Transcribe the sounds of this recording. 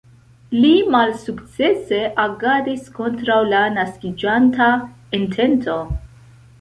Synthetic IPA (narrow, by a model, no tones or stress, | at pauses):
limalsukt͡se̞se̞ʔaɡadisko̞ntɾawlanaskid͡ʒanta | entʰe̞ntʰo̞